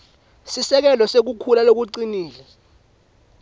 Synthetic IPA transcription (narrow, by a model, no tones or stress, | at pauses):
sisɛk̬ɛlɔsek̬ukʰulalok̬uǀiniːlɛ